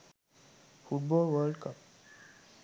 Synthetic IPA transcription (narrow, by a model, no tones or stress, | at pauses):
fuʈ̚bɔlʋəɾɖkəp̚